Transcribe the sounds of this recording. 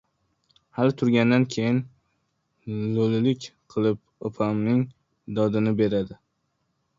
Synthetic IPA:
halɪt̪ʰʊɾɡʲand̪ankʲʰe̞jɪn | lolɪlɪkʲqʰɨlˠɪp̚ | opʰamnɪŋ | d̪ɒd̪ɪnɪbe̞ɾad̪ɪ

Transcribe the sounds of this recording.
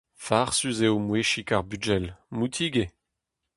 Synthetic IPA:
faʁsyzeomweʃikaʁbyd͡ʒɛlmut̪ʰiɡe

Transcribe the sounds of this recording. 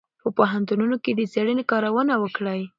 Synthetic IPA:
pəpoɦant̪ununoked̪ət͡seɽənekɑɾawənawəkɽaj

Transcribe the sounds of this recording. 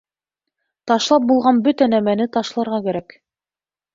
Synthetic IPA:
t̪ɑʃlˠɑp̚bulˠʁɑnbɵt̪ænæmænɘt̪ɑʃlˠɑɾʁɑkæɾæk

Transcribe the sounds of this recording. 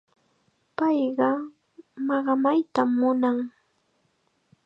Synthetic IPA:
pɑjɢɑ | mɑɢɑmajt̪amːʊnaŋ

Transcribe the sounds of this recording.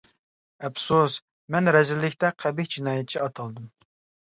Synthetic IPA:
ɛpsus | mɛnɾɛzɪlːɪkʲt̪ɛqʰæbɪkʲd͡ʒinɑːjɛt̪̚t͡ʃʰiɑt̪ʰɑlˠd̪ɨm

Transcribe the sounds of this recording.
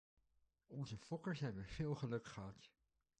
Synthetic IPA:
ɔnzəfɔkəɹsɛjnbəv̥ɪːlˠχəlɵkχəɦɑt

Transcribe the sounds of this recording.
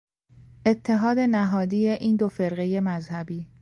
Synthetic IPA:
ʔe̞t̪ʰːe̞ɦɒːd̪e̞næɦɒːd̪ijeʔiːnd̪ofe̞ɾɣe̞je̞mæzhæbiː

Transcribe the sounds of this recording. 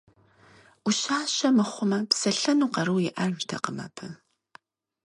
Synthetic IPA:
ʔʷʊɕaːɕɐmɨχʷʊmɐpsɐɬɐnuːqɐɾɨwjɪʔɐrʒtʰɐ̰qəmɐ̰pʰɨ

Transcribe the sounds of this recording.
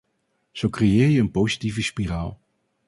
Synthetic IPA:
z̥owkrejɪːɹjəənpowzitivəspiraːlˠ

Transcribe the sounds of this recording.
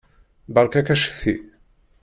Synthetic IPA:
bəɾkækæʃə̥θːi

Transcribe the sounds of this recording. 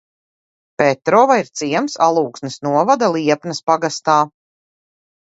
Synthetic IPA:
pɛt̪ɾɔːvaiɾt̪siɛmsalˠuːksnɨsnuɔvad̪alˠiɛpnɐspaɡast̪aː

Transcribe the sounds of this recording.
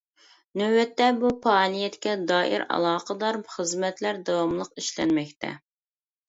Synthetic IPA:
nøwɛt̪ːɛbupʰɑːlˠijɛt̪kʲɛd̪ɑːʔḭɾɑ̰lˠɑːqəd̪ɑɾχəzmɛt̪ʰlæɾd̪ɑwɑmlˠəqiʃlɛ̰nmɛkʲt̪ʰɛ̰

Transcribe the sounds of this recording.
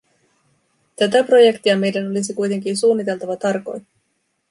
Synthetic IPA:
t̪æt̪æpro̞je̞kt̪iɑme̞jdæno̞lisikujt̪e̞ŋkinsuːnːit̪e̞lt̪ɑʋɑt̪ɑrko̞̰jt̪

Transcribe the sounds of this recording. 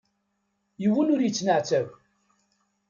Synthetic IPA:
jəwənʊɾjət͡sːnəʕt͡sæv

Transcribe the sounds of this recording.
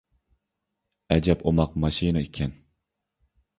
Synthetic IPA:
ɛd͡ʒɛpʰomɑq̚mɑʃinikʲʰɛn

